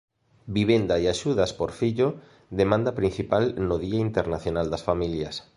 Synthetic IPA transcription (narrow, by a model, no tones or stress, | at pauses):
biβend̪aeaʃuðaspoɾfiʎo | d̪emãnd̪ɐpɾin̟θipalnoðiaint̪eɾnaθjonald̪ɐsfamiljɐs